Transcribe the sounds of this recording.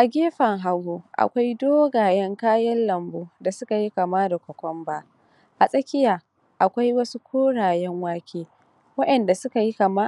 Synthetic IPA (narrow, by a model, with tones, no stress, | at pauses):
ʔa˨ɡʲeː˦ɸɐ˨ŋɦa˨ɡo˦ʔa̰˨kʷa˦jdoː˦ɡaː˨jɛ˦ŋkaː˦jɐ˦nlɐ˨mboː˦da˨sʊ˦ka˨ji˦kɐ˨maː˦da˨kʷɐ˨kʷɔ˦mbaː˦ | ʔa˨sʼɐ˦kʲɪ˦jaː˨ | ʔa˨kʷa˦jwɐ˦su˦kʷʰoː˦ɽaː˨jɛ˦ŋwaː˦kʲʰeː˦ | wɐ˦ʔɛ˨nda˨sʊ˦ka˨ji˦kɐ˨ma˦